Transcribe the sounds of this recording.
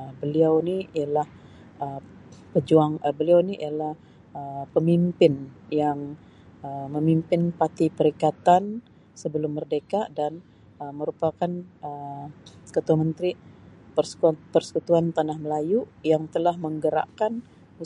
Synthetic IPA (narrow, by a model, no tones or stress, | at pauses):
əbəliawniijalah | ə | pəd͡ʒuaŋəbəliawniḭalah | əpəmimpɪnjaŋ | əməmimpɪnpat̪ipəɾikat̪an | səbəlʊmːərdekaʔdan | əməɾupakanə | kət̪uamənt̪ɾipərsə̥pərsə̥kut̪uant̪anahməlajujaŋt̪əlahməŋɡəɾa̰ʔkan | u